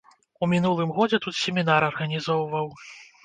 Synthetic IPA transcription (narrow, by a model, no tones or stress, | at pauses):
umʲin̪ulˠɨmɣɔd͡zʲɛt̪ut̪sʲɛmʲinaɾɐrɣɐnʲizɔwvɐw